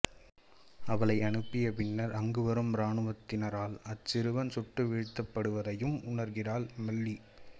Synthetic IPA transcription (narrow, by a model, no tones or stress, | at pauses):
ɐʋɐɭɐɪɐɳɯpːɪjɐpɪnːɐɾɐŋɡɯʋɐɾɯmɾaːɳɯʋɐt̪ːɪnɐɾaːlɐt͡ʃːɪɾɯʋɐnsʊʈːɯʋiɻt̪ːɐpːɐɽɯʋɐðɐjɯmʊɳɐɾɣɪraːlmɐɭːi